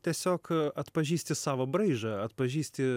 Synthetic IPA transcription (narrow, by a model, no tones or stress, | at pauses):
t̪ʲiɛsʲoːkɐt̪pɐʒʲiːsʲt̪ʲɪsɑːʋobɾɐɪʒɐɐt̪pɐʒʲiːsʲt̪ʲɪ